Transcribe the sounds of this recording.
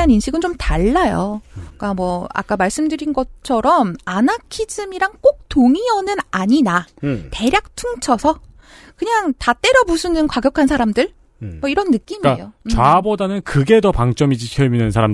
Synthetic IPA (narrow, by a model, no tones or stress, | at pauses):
aninɕʰiɡɯnt͡ɕomtaɭːajo̰k͈amwʌa̰k͈amaɭs͈ɯmdɯɾinɡʌt͡ɕʰʌɾʌmanakʰid͡ʑɯmiɾaŋk͈ok̚toŋiʌnɯnaɲinate̞ɾjak̚tʰuŋt͡ɕʰʌsʰʌ | kɯɲaŋtat͈e̞ɾjʌbusʰunɯnkwaɡjʌkʰansʰaɾamdɯɭ | mwʌiɾʌnːɯk͈imejot͡ɕwabodanɯnkɯɡe̞dʌpaŋt͡ɕ͈ʌmid͡ʑikʰjʌminɯns̬ʰaɾam